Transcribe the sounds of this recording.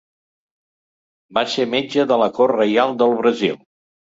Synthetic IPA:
basemed͡ʒəðələkorrəjalˠd̪əlˠβɾəzilˠ

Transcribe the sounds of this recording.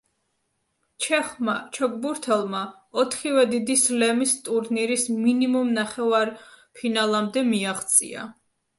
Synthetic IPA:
t͡ʃʰɛχmat͡ʃʰɔkʼbuɾt̪ʰɛlˠma | ɔt̪ʰχivɛd̪id̪islɛmist̪ʼuɾniɾisminimumnaχɛvaɾpʰinalˠamd̪ɛmiaʁt̪sʼḭa̰

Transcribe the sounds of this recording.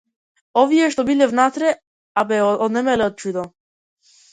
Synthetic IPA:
ɔviɛʃt̪ɔbilɛvnat̪ɾɛ | abɛɔd̪nɛmɛlɛɔt̪̚t͡ʃud̪ɔ

